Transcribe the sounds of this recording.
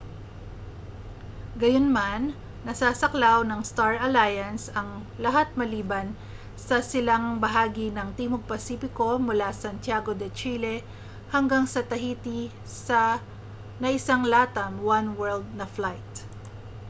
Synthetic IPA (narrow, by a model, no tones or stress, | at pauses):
ɡɐjonmanː | ɐsaːsɐklawnɐŋst̪aɹɐlajɐnsɐŋlɐɦat̪̚mɐliːbɐn | sɐsɪlaŋbɐɦaːɡinɐŋt̪iːmoɡ̚pɐsiːpɪko̞mʊlasɐnt̪jaːɡo̞d̪ɛt͡ʃilɛ | hɐŋɡaŋsɐt̪ɐhiːt̪i | sɐ | nɐʔɪsaŋlaːt̪ɐmwanwɛld̪̚nɐflajt̪̚